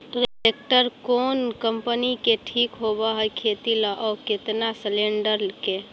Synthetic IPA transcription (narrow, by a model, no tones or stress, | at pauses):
ʈɾek̚ʈəɾkoːnkəmpənikeʈʰikɦobaɦəkʰet̪iləʔɔket̪nasleɳɖəɾlke